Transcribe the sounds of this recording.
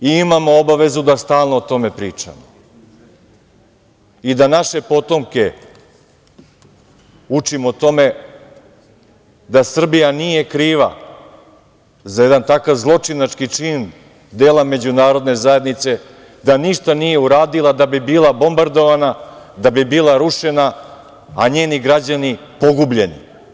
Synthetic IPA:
iimamoobaʋe̞zud̪ast̪aːlˠno̞ot̪o̞me̞pɾiːt͡ʂa̰mo | id̪anaʃe̞po̞t̪o̞mke̞ | ut͡ʂimot̪o̞me̞ | d̪asr̩bijanije̞kɾiːʋa̰ | zajed̪ant̪akaʋzlˠo̞t͡ʂinat͡ʃkit͡ʂiːn | d̪eːlˠame̞d͡ʑunaːɾo̞d̪ne̞zaje̞d̪nit̪se̞ | d̪aniʃt̪anije̞uɾaːd̪ilˠad̪abibiːlˠabo̞mbaɾd̪o̞ʋanad̪abibiːlaɾuʃe̞naː | ɲe̞ːniɡɾad͡ʑanipo̞ɡubʎe̞nḭ

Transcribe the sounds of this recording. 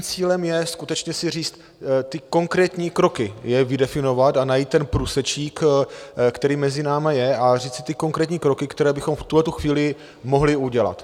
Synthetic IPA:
mt͡siːlɛmjɛskut̪ɛt͡ʃɲɛsɪriːt͡st̪ | t̪ɪko̞ŋkɾɛːt̪ɲiːkɾo̞kɪjɛvɪdɛfɪno̞vat̪anajiːt̪̚tːɛnpɾuːsɛt͡ʃiːk | kt̪ɛɾiːmɛzɪnaːmajɛariːt͡sɪ̥t̪ɪko̞ŋkɾɛːt̪ɲiːkɾokɪkt̪ɛɾɛːbɪxo̞mft̪uɦlɛt̪uxviːlɪ | mo̞ɦlɪuɟɛla̰t̪

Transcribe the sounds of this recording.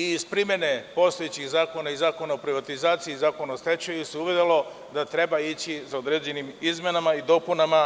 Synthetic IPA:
iːzpɾimʲje̞ne̞po̞st̪o̞jet͡ɕixzaːko̞naizaːko̞naopɾiʋat̪izaːt̪siːzaːko̞naost̪e̞t͡ʃejuseuʋed̪elo̞ | d̪at̪ɾe̞bait͡ɕisaod̪ɾeːd͡ʑe̞nimizmenamaid̪o̞punama

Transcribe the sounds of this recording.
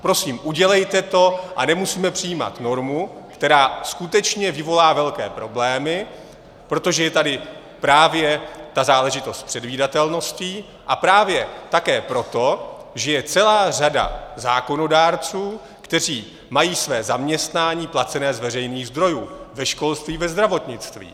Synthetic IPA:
pɾosiːmʔuɟɛlɛjt̪ɛt̪o̞ʔanɛmusiːmɛpr̥ɪjiːma̰t̪no̞ɾmukt̪ɛɾaːskut̪ɛt͡ʃɲɛvɪvo̞laːvɛlkɛːpɾo̞blɛːmɪ | pɾo̞t̪o̞ʒɛjɛt̪adɪ | pɾaːvjɛt̪azaːlɛʒɪt̪o̞st̪̚pr̥ɛdviːdat̪ɛlno̞sci | ʔapɾaːvjɛt̪akɛːpɾo̞t̪o̞ʒɛjɛt͡sɛlaːr̝ada̰za̰ːko̞no̞daːɾt͡suː | kt̪ɛr̝iː | majiːsvɛːzamɲɛst̪naːɲiːplat͡sɛnɛːzvɛrɛjniːɣzd̪ɾo̞juːvɛʃko̞lst̪viːvɛzd̪ɾavo̞t̪ɲɪt͡st̪vḭː

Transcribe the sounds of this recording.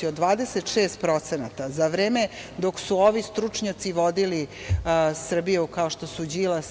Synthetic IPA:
iod̪ʋaːd̪eset̪ʃeːst̪̚pɾo̞t̪senat̪azaʋɾeːme̞d̪o̞ksuoʋist̪ɾut͡ʂɲat̪siʋo̞d̪ili | sr̩bijeukao̞ʃt̪o̞sud͡ʑiːla

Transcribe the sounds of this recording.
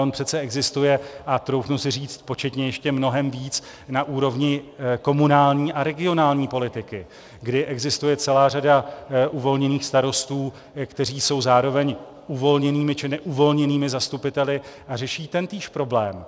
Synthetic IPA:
onpr̝̥ɛt̪t͡sɛɛɡzɪst̪ujɛʔat̪ɾo̞wxnusɪriːt͡st̪̚po̞t͡ʃɛt̪ɲɛjɛʃcɛmno̞ɦɛmviːt͡s | naʔuːɾo̞vɲɪko̞munaːlɲiːʔaɾɛɡɪo̞naːlɲiːpo̞lɪt̪ɪkɪ | ɡdɪʔɛɡzɪst̪ujɛt͡sɛlaːradaʔuvo̞lɲɛniːxst̪aɾo̞st̪uː | kt̪ɛr̝iːso̞wzaːɾo̞vɛɲ | ʔuvo̞lɲɛniːmɪt͡ʃɪnɛʔuvo̞lɲɛniːmɪzast̪upɪt̪ɛlɪʔarɛʃiːt̪ɛnt̪iːʃpɾo̞blɛːm

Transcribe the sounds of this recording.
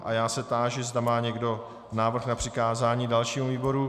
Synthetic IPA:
ʔajaːsɛt̪aːʒɪzdamaːɲɛɡdo̞ | naːvr̩xnapr̥ɪkaːzaːɲiːdalʃiːmuviːbo̞ɾu

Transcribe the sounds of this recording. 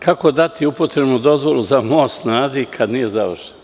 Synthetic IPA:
kʰako̞d̪at̪ʰiupot̪ɾebnud̪o̞zʋo̞luzamosnaːd̪ikʰad̪nije̞zaʋrʃe̥nn

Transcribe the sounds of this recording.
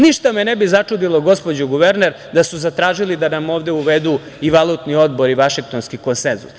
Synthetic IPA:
niʃt̪amenɛbizat͡ʂud̪ilˠoɡo̞spo̞d͡ʑuɡuʋeɾneɾ | d̪asuzat̪ɾaːʒilid̪anamo̞ːʋd̪euʋed̪u | iʋalˠut̪nio̞d̪bo̞ɾiʋaʃiŋk̚t̪o̞nskiko̞nsenzṵs

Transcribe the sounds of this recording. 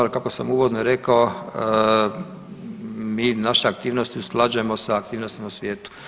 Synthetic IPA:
lkakosa̰muʋod̪noɾekao | miːnaʃeak̚t̪iːʋnost̪iuslˠad͡ʒujemosaːkt̪iːʋnost̪imausʋʲjeːt̪u̥

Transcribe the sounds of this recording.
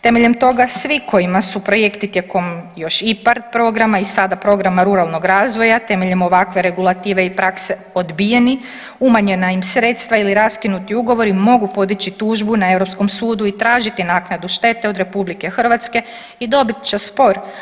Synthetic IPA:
t̪e̞me̞ʎe̞mt̪o̞ɡasʋikʰo̞imasupɾo̞je̞kt̪it̪jeko̞mjo̞ʃipaɾpɾo̞ɡɾamaisad̪apɾo̞ɡɾamaɾuɾalˠno̞ɡɾaːzʋo̞jat̪e̞me̞ʎemo̞ʋakʋe̞ɾe̞ɡulˠat̪iːʋe̞ipɾakse̞ | od̪bijeni | umaɲe̞naimsɾe̞ːt̪st̪ʋailiɾaskinut̪iuɡo̞ʋo̞ɾimo̞ɡupo̞d̪it͡ɕit̪uːʒbunae̞vɾo̞psko̞msuːd̪uit̪ɾaːʒit̪inaːknad̪uʃt̪e̞t̪eo̞d̪ɾe̞publike̞xr̩ʋat̪ske̞ | id̪o̞bit̪t͡ʃespo̞ɾ

